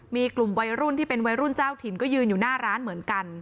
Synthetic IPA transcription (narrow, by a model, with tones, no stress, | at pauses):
miː˧klu˨˩mwa˧jɾu˥˩nt̪ʰiː˥˩pe˧nwa˧jɾu˥˩nt͡ɕaː˥˩wt̪ʰi˨˩˦nkɔː˥˩jɯː˧njuː˨˩naː˥˩ɾaː˦˥nmɯ˩˦ənka˧n